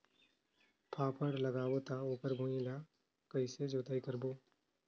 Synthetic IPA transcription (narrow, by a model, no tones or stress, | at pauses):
pʰaːpʰəɽləɡaːbot̪aoːkəɾbʱũːila | kəised͡ʒoːt̪aːikəɾboː